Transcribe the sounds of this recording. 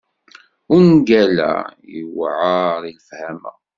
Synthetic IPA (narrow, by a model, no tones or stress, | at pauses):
ʊnɡælæ̰jəwʕaɾiləfhæmæ̰